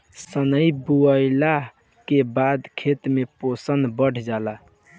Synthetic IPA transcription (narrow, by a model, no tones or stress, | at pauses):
sənəibuəjla | kebad̪kʰet̪meposənbəɽ̤d͡ʒala